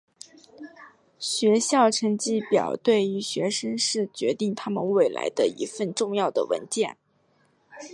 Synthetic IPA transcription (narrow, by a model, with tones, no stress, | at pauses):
ɕɥɛ˧˥ɕjɑ˥˩ʊʈ͡ʂʰɤ˧˥ŋt͡ɕi˥˩pjɑ̰˨˩ʊt̪we˥˩ɪy˧˥ɕɥɛ˧˥ʂə˥ŋʂɻ̩˥˩t͡ɕɥɛ˧˥t̪i˥˩ŋt̪ʰa˥mə̰˨nwe˥˩ɪla̰˧˥ɪd̪ə˧ḭ˧˥fə˥˧nʈ͡ʂʊ˥˧ŋjɑ˥˩ʊd̪ə̰˩wə̰˧˥nt͡ɕjɛ˥˩n